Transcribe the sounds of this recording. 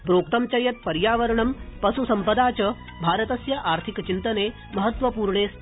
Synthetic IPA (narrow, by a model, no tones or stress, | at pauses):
pɾoːk̚t̪ɐmt͡ɕɐjɐt̪̚pɐɾjaːʋɐɾɳɐmpɐsusɐmpɐd̪aːt͡ɕɐ | bʱaːɾət̪ɐsjɐʔaːɾt̪ʰikt͡ʃint̪ɐneː | mɐɦət̪ʋɐpuːɾɳeːs